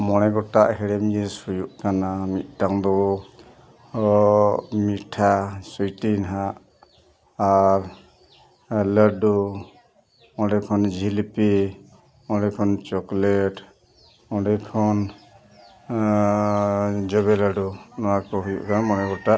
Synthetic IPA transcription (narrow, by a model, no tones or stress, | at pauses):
mɔnɛɡɔʈaʔhɛɽɛmjɛsujuʔkanamit̪̚ˀʈaŋd̪ɔ | miʈʰasujtinɦaʔ | aɾ | ləɖɔ | ɔ̃ɖɛkʰɔnd͡ʒʱilpɛ | ɔ̃ɖɛkʰɔnt͡ʃɔklɛʈ | ɔɖɛkʰɔn | d͡ʒɔβɛləɖɔnɔwakɔɦujṵʔkanamɔnɛɡɔʈaʔ